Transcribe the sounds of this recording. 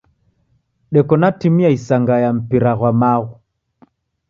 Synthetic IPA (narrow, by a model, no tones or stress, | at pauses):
ɗɛkɔnatimiaisaŋɡajam̩piɾaɣwamaɣu